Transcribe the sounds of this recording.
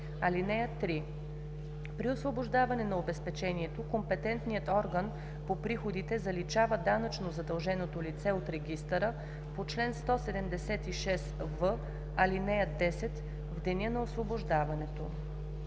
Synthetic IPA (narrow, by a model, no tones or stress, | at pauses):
ɐlinɛjət̪ːɾi | pɾiosvoboʒd̪avɐnɛnɐobɛspɛt͡ʃɛniɛt̪okompɛt̪ɛnt̪nijət̪ɔɾɡən | popɾixod̪it̪ɛzɐlit͡ʃavəd̪anət͡ʃnozɐd̪ɐlˠʒɛnot̪olit̪sɛot̪ɾɛɡʲist̪əɾə | pot͡ʃlɛnst̪ɔsɛd̪ɛmd̪ɛsɛt̪iʃɛsvɤ | ɐlinɛjəd̪ɛsɛt̪ | vd̪ɛnʲənɐosvoboʒd̪avɐnɛt̪o